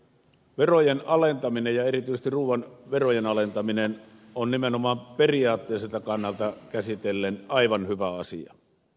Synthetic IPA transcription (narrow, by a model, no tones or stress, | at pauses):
ʋerojenɑlent̪ɑminejjɑerit̪yist̪irruːʋˑɑnʋerojenɑlent̪ɑminenonnimenomɑːmperiɑːt̪ːeːselt̪ɑkɑnːɑlt̪ɑkæsit̪elːenɑiʋɑnhyʋæɑsḭɑ̰